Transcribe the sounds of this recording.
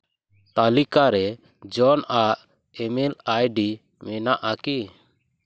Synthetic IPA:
t̪alikaɾɛ | d͡ʒɔnaʔ | ɛmɛlajɖi | mɛnaʔaki

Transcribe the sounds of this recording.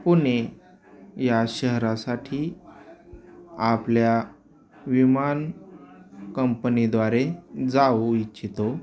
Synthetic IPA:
pune | jaɕəɦɾasaʈʰiː | aplja | ʋiman | kəmpənid̪ʋaɾed͡zawit͡ɕit̪o

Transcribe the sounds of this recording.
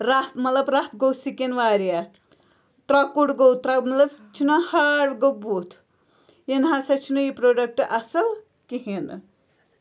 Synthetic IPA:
ɾapmɐt̪lɐbɾap̚ɡowsikenʋaːɾija | t̪ɾɐkuɽɡowt̪ɾɐmɐt̪lɐbt͡ʃʰinahaɾɡobut̪ʰ | jenɦasɐt͡ʃʰinujipɾoːɖɐk̚ʈʔɐsɐl | kiɦin

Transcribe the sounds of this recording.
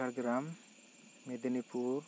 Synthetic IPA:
aɾɡɾamː | ed̪enipʰuɾ

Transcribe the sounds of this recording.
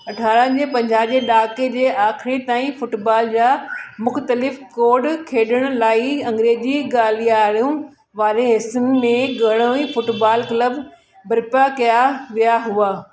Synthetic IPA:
ɐʈʰaːɾə̃d͡ʑeːpɐ̃ɲd͡ʑaːʋd͡ʑeːɗaːked͡ʑeːʔaːxʰɾet̪aːĩfʊʈbaːld͡ʑaːmʊxt̪əlɪfkoːɖkʰeːɗəɽ̃ʊ̆laːiɐ̃ŋɡɾeːd͡ʑiɠaːlijaːɽjũ | ʋaːɾeɦɪsənɪ̆mẽɡɐɽ̃õẽfʊʈbaːlkləb | bɐɾpakɐjaʋijaɦuaː

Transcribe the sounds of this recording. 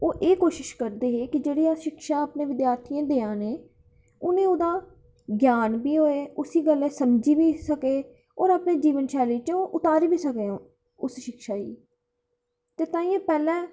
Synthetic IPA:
oːʔeːkoːʃɪʃkəɾd̪eːɦeːkɪd͡ʒeːɽiːaʃɪkʃaːapnẽːʋɪd̪jaːɾt̪ʰiːãːd̪eːãːneː | ʊnẽːoːd̪aː | ɡjaːnbiːɦoːeːʊsiːɡəlɛ̃ːsəmd͡ʒiːʋiːsəkeː | oːɾaːpneːd͡ʒiːʋənʃɛːleːt͡ʃõːʔʊt̪aːɾiːbiːsəkẽː | ʊsʃɪkʃaːḭː | t̪eːt̪ãːĩːãːpɛːlɛ̃ː

